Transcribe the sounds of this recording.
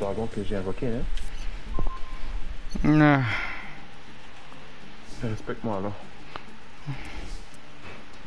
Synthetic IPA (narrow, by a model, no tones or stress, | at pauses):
d̪ʁaɡɔ̃kəʒeɛ̃vɔkeɛ̃ | na | ʁɛspɛk̚t̪mwãalɔʁ